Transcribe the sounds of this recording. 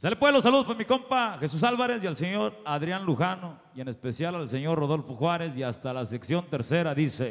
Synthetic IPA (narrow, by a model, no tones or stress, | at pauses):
salepweelosːaluðo̞spoɾmiko̞mpaxesus̬alβaɾe̞sjalseɲo̞ɾaðɾjanluxano̞ | je̞ne̞spe̞sjalalse̞ɲo̞ro̞ðo̞lfoxwaɾe̞siast̪alaseksjo̞nt̪e̞ɾse̞ɾaðise